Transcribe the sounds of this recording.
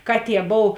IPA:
ˈkɑːˌtʲiɛ ˈboːw

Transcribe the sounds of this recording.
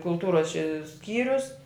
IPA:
kʊlˠˈtuːroːs t͡ʃʲɛ ˈsʲkʲiːrʲʊs

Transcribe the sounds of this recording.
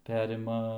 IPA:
ˈpʲæːrʲɪmɐ

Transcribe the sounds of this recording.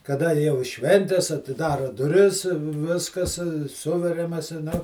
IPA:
kɐˈdɐ jɛʊ ɪ ˈʃʲʋʲɛnʲtʲɛs ɐtʲɪˈdɑːrɐ dʊˈrʲɪs ˈʋʲɪskɐs ˈsʊʋʲɛrʲɛmɐs ɪ nɐʊ

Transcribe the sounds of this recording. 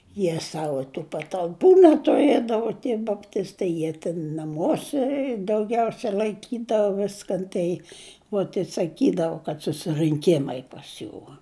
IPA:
ˈjiɛ ˈsɑːʋoː tuː pɐtɐlˠˈpuː nʲɛtʊˈrʲiɛdɐʋoː tʲiɛ bɐpʲˈtʲɪstɐɪ ˈjiɛ tʲɪn nɐˈmuɔsʲɛ dɐʊˈɡʲɛʊsʲɛ lˠɐɪˈkʲiːdɐʋoː ˈʋʲɪskɐn ˈtɐɪ uɔt ɪ sɐˈkʲiːdɐʋʊ kɐt sʊsʲɪrɨŋʲˈkʲɪmɐɪ pɐs ˈjuː

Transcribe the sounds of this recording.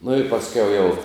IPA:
nʊ ɪ pɐsʲˈkʲɛʊ jɛʊ

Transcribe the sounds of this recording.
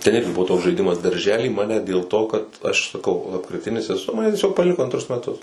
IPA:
tʲɛn ˈɪrʲɡʲɪ ˈbʊʋoː toːks ʒɐɪˈdʲɪmɐs dɐrʲˈʒʲæːlʲiː ˈmɑːnʲɛ dʲeːlˠ toː kɐt ɐʃ sɐˈkɐʊ lˠɐpkrʲɪˈtʲɪnʲɪs ɛˈsʊ ˈmɑːnʲɛ tʲiɛˈsʲoːk pɐˈlʲɪkoː ɐnˈtrʊs mʲɛˈtʊs

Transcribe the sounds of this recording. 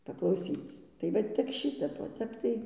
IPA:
pɐklˠɐʊˈsʲiːt͡s tɐɪ ˈʋɐ tʲɪk ˈʃʲɪtʲɛp oː ˈtʲɛp tɐɪ

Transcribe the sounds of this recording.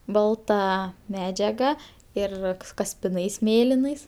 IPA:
ˈbɐlˠtɐ ˈmʲæːd͡ʒʲɛɡɐ ˈɪr kɐsʲpʲɪˈnɐɪs ˈmʲeːlʲɪnɐɪs

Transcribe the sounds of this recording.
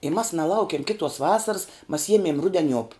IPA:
ɪ mɐs nɐˈlˠɐʊkʲiɛm ˈkʲɪtoːs ˈʋɑːsɐrs mɐs ˈjiɛmʲeːm ˈrʊdʲɛˌnʲuɔp

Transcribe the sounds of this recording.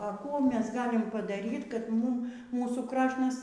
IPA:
ɐ ˈkuː ˈmʲɛs ˈɡɑːlʲɪm pɐdɐˈrʲiːt kɐt ˈmuːm ˈmuːsuː ˈkrɑːʃnɐs

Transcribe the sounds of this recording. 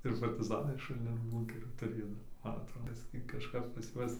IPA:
ɪr pɐrʲtʲɪˈzɑːnɐɪ ʃʊlʲˈnʲɪn ˈbuːŋʲkʲɛrʲiː tʊˈrʲeːjoː nʊ ˈmɐn ɐtˈroː ˈbʲɪsʲkʲɪ kɐʃˈkɐp pɐs ˈjuɔs

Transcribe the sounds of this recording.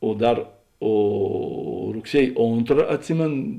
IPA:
oː ˈdɐr ˈoː rʊkˈsʲiɛj ˈoːntrɐ ɐtʲˈsʲɪmʲeːn

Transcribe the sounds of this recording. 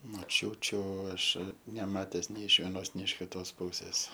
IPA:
moːˈt͡ʃʲuːt͡ʃʲʊ ˈɐʃ nʲɛˈmɑːtʲɛs nʲɛɪ ɪʃ ʋʲiɛˈnoːs nʲɛɪ ɪʃ ˈkʲɪtoːs ˈpuːsʲeːs

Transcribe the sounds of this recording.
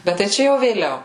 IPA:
ˈbʲɛt tɐɪ ˈt͡ʃʲɛ jɛʊ ʋʲeːˈlʲɛʊ

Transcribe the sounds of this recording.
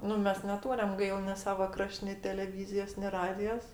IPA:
ˈnʊ ˈmʲɛs nʲɛˈtuːrʲɛm ˈɡɐɪlˠ mʲɛs ˈsɑːʋɐ ˈkrɐʃʲtʲ nʲɪ tʲɛlʲɛˈʋʲiːzʲɪjoːs nʲɪ ˈrɑːdʲɪjoːs

